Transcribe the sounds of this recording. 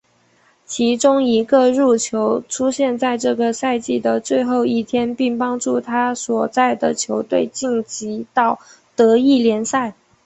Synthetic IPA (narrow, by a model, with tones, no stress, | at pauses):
t͡ɕʰi˧˥ʈ͡ʂʊ˥ŋi˧˥ɡə˧ɻu˥˩t͡ɕʰjo˧˥ʊʈ͡ʂʰu˥ɕjɛ˥˧nt͡sa˥˧ɪʈ͡ʂɤ˥˩ɡə˩sa˥˧ɪt͡ɕi˥˩d̪ə˩t͡swe˥˧ɪxo˥˧ʊi˥˩t̪ʰjɛ˥npi˥˩ŋpɑ˥ŋʈ͡ʂu˥˩t̪ʰa˥swɔ˨˩t͡sa˥˩ɪd̪ə˩t͡ɕʰjo˧˥ʊt̪we˥˧ɪt͡ɕi˥˩ŋt͡ɕi˧˥t̪ɑ˥˩ʊ | t̪ɤ˧˥i˥˩ljɛ˧˥nsa˥˩ɪ